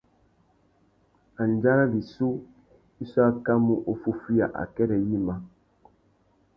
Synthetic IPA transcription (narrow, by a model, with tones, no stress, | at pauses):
a˨n˨d͡ʒa˦ɾa˦li˨su˦ | i˦so˦a˦ka˦mu˦ʔo˨fu˦fi˦a̰˨ʔa̰˨kɛ˦ɾɛ˨ji˦ma˨